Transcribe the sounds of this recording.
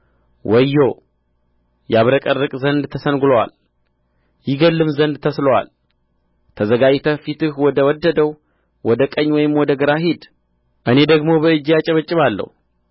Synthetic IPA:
wʔəjːo | jaβɾəkʼərːɨkʼzənd̪t̪ʰəsənɡlowa̰l | jɪɡəlːɨmzənd̪t̪ʰəsləwa̰l | t̪ʰəzəɡad͡ʒt̪ʰəfit̪ɨhwɔd̪əwɔd̪ːəd̪əw | wɔd̪əkʼəɲːwɔjɪmwɔd̪əɡəɾaɦid̪ | ʔɨne̞d̪əɡmo̞bəɨd͡ʒːjat͡ʃʼəβət͡ʃʼːɪβalːə̰hu

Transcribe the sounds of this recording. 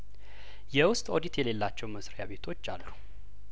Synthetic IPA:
jɛwʊst̪ʼod̪it̪jɛle̞lːat͡ʃːɛwməsɾjaβe̞t̪ʰo̞t͡ʃːalːu

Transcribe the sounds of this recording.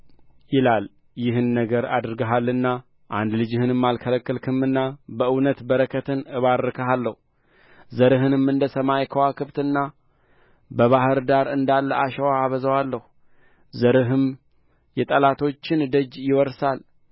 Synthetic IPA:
jɪlal | jɪhɨnːəɡəɾa̰d̪ɾɨɡəɦalːɨnːa | ʔand̪lɨd͡ʒɪhɨnɨmːalkʰələkːəlkʰɨmːɨnːabəʔɨwnət̪bəɾəkʰət̪ʰɨnɨβaɾːɨkʰəɦalːəhu | zəɾɨɦɨnɨmɨnd̪əsəmajkʰəwakʰɨβt̪ɨnːa | bəβahɨɾd̪aɾɨnd̪alːəaʃəwaaβəzəwalːəhu | zəɾɨɦɨm | jɛt̪ʼəlat̪ʰo̞t͡ʃːɪnd̪əd͡ʒjɪwɔɾsal

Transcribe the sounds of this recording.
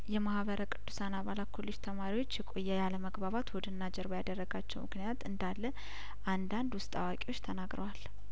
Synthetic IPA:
jɛmahβəɾʔəkʼɨd̪ːu̥sanaβalat̪̚kʰolːid͡ʒt̪ʰəmaɾiwo̞t͡ʃːjɛkʼo̞jːɛjaləməɡbaβat̪wɔd̪ənːad͡ʒɛɾbəjad̪ərːəɡat͡ʃːɛwmɨknijat̪ɨnd̪alːə | ʔand̪and̪wʊst̪ʼawakʼiwo̞t͡ʃːt̪ʰənaɡɾəwal

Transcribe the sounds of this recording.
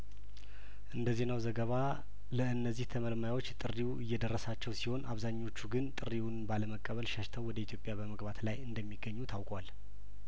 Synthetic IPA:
ʔɨnd̪əze̞nawzəɡəβa | ləɨnːəzːiht̪ʰəməlmajawo̞t͡ʃːt̪ʼɨrːiwuɨjːɛd̪ərːəsat͡ʃːɛwsiho̞nʔaβzaɲːo̞t͡ʃːuɡɨnt̪ʼɨriwunbaləməkʼːəβəlʃəʃt̪ʰəwɔd̪əit̪ʰjo̞pʼjabəməɡbat̪lajɨnd̪əmːiɡːəɲːut̪ʰawkʼwal

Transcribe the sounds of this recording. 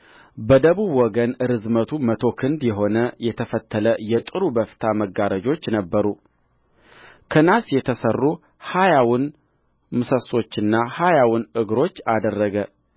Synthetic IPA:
bəd̪əβuβwɔɡənɨɾɨzmət̪ʰumət̪ʰo̞kʰɨnd̪jɛɦo̞nəjɛt̪ʰəfət̪ʰːələjɛt̪ʼɨɾubəfɨ̥t̪ʰaməɡːaɾəd͡ʒo̞t͡ʃːnəbːəɾu | kʰənasjɛt̪ʰəsərːu | hajawʊn | mɨsəso̞t͡ʃːɨnːahajawɨnɨɡɾo̞t͡ʃːad̪ərːəɡə

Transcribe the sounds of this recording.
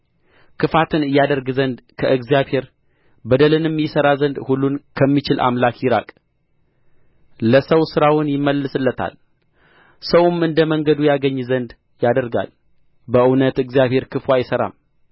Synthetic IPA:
kʰɨfat̪ʰɨnɨjad̪əɾɡzənd̪kʰəʔɨɡzijaβhe̞ɾ | bəd̪əlɨnmːjɪsəɾazənd̪hulːunkʰəmːit͡ʃɪlʔa̰mlakjɪɾa̰kʼ | ləsəwsɨɾawʊnjɪmːəlːɨsɨlːət̪ʰa̰l | səwʊmɨnd̪əməŋɡəd̪ujaɡəɲːzənd̪ | jad̪əɾɡa̰l | bəʔɨwnət̪ɨɡzjaβhe̞ɾkʰɨfwʷajɪsəɾa̰m

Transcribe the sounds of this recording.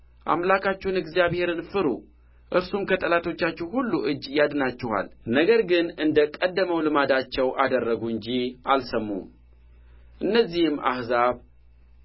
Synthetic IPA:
ʔa̰mlakʰat͡ʃːɛnɨɡzjaβhe̞ɾɨnfɨɾṵ | ʔɨɾsumkʰət̪ʼəlat̪ʰo̞t͡ʃːat͡ʃːɛwhulːuʔɨd͡ʒjad̪nat͡ʃːɛha̰lnəɡəɾɡɨnɨnd̪əkʼəd̪ːəməwlɨmad̪at͡ʃːɛwʔad̪ərːəɡuɨɲd͡ʒiʔalsəmːṵ | ʔɨnːəzːihɨma̰hzaβ

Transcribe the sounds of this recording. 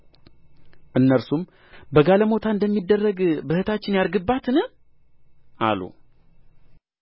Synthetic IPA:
ʔɨnːəɾsum | bəɡaləmo̞t̪ʰaɨnd̪əmːid̪ːərːəɡbəhɨt̪ʰat͡ʃːɪnjaɾɡɨbːat̪nɨ | ʔa̰lṵ

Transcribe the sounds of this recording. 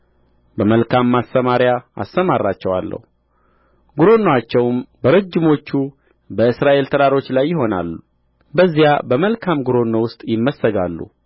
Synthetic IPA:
bəməlkʰamːast̪əmaɾjaa̰st̪əmarːat͡ʃːɛwa̰lːə̰hu | ɡuɾo̞nːoat͡ʃːɛwmbəɾəd͡ʒːɪmo̞t͡ʃːu | bəɨsɾaʔe̞lt̪ʰəɾaɾo̞t͡ʃːlajːɪɦo̞na̰lːu | bəzːijabəməlkʰamɡuɾo̞nːowʊst̪ʼjɪmːəsːəɡalːṵ

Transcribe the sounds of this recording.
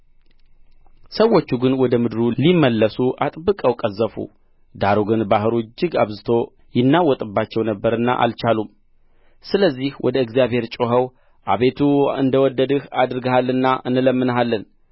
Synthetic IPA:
səwːot͡ʃːuɡɨnwɔd̪əmɨd̪ɨɾulimːəlːəsuʔat̪ʼbɨkʼəwkʼəzːəfṵ | d̪aɾoɡɨnbaɦɨɾod͡ʒːɪɡaβzɨt̪ʰo̞ | jɪnːawɔt̪ʼɨbːat͡ʃːɛwnəbːəɾɨnːa̰ʔa̰lt͡ʃalum | sɨləzːihwʔɔ̰d̪əɨɡzijaβhe̞ɾt͡ʃʼoɦəw | ʔa̰βe̞t̪ʰuɨnd̪əwɔd̪ːəd̪ɨhad̪ɾɨɡəhalːɨnːaʔɨnɨləmːɨnəɦalːən

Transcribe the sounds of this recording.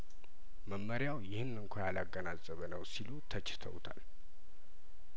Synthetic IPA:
məmːəɾjawjɪhɨnːɨŋkʷʰajalaɡːənazʼəβənəwsilut̪ʰət͡ʃːɪ̥t̪ʰə̰wt̪ʰa̰l

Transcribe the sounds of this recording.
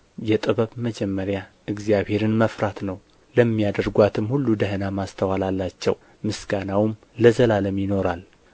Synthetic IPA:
jɛt̪ʼɨβəβməd͡ʒɛmːəɾja | ɨɡzijaβhe̞ɾɨnməfɾat̪nəw | ləmːijad̪əɾɡʷat̪ʰɨmhulːud̪əɦənamast̪ʰəwalalːat͡ʃːɛ̰w | mɨsɡanawm | ləzəlaləmjɪno̞ɾal

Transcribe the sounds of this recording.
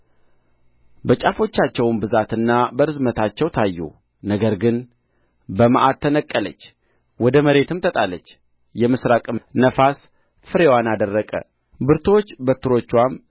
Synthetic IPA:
bət͡ʃʼafo̞t͡ʃːat͡ʃːɛwmbɨzat̪ɨnːabəɾɨzmət̪ʰat͡ʃːɛwt̪ʰajːṵ | nəɡəɾɡɨn | bəma̰ʔat̪t̪ʰːənəkʼːələ̰t͡ʃː | wɔd̪əməɾe̞t̪ɨmt̪ʰət̪ʼalət͡ʃː | jɛmɨsɾakʼɨmnəfas | fɨɾe̞wanad̪ərːəkʼə̰ | bɨɾt̪ʰo̞t͡ʃːbət̪ʰɨɾo̞t͡ʃːwam

